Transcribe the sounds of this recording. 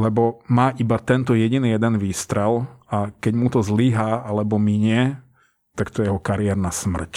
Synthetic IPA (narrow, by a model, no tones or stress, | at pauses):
lɛbɔmaːʔibat̪ɛnt̪ɔjɛɟinijɛd̪ɛnʋiːst̪ɾɛlakɛɟmut̪ɔzliɦaalɛbɔmiɲɪɛ | t̪akt̪ɔjɛɛɦɔkaɾiɛɾnasmr̩c